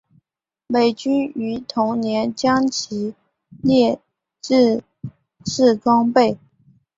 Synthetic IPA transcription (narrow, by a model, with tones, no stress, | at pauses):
me˨˩ɪt͡ɕy˥ny˧˥t̪ʰʊ˧˥ŋnjɛ˧˥nt͡ɕjɑ˥ŋt͡ɕʰi˧˥ | ljɛ˥˧ | ʈ͡ʂɻ̩˥˧ | ʈ͡ʂɻ̩˥˩kɑ˥ŋpe˥˩ɪ